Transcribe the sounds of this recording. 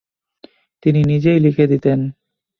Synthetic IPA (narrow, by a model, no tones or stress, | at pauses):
t̪ininid͡ʑejlikʰed̪it̪en